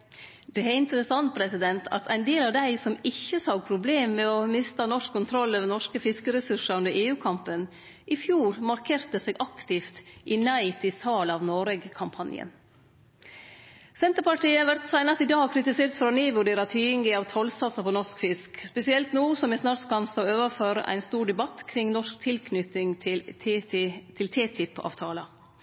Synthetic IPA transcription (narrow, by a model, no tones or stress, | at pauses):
d̪ɛæɪnt̪əɾəsɑnt̪̚pʰɾɛsɪd̪ɛnt̪ʰɑ̰t̪ʰæɪnd̪eːlɑʋd̪æɪsɔmɪçːəsɑʊpʰɾʊbleːmːɛɔmɪst̪ɑnɔʂkʰːʊnt̪ʰɾɔlːøːʋəɾnɔʂkəfɪskəɾɛsʉʂɑʉnd̪əɾeːʉːkʰɑmpən | ʔɪfjuːɾmɑɾkʰeːɾt̪əseːɡʔɑkt̪ɪft̪ʔɪnæɪt̪ɪsɑːlɑʋnoːɾɛɡkʰɑmpʰɑnjə̰n | sɛnt̪əɾpɑʈiːəʋæɾt̪sæɪnɑst̪iːd̪ɑːkʰɾɪt̪ɪseːɾt̪fɾɑnyːʋʉɖeːɾɑt̪ʰyːɪŋɡɪɑːʋt̪ʰɔlsɑsəpʰɔːnɔʂkfɪskspɛsɪɛlt̪nuːsɔmɛsnɑːɾkɑnst̪oːøːʋəɾføːɾəʔæ̰ɪnst̪uːɾɖɛbɑt̪ːkʰɾɪŋnɔʂkt̪ʰɪlkʰnʏt̪ɪŋʰɪ | t̪ʰɪlt̪ʰeːt̪ʰʏpʰɑ̰ːʋt̪ʰɑːlə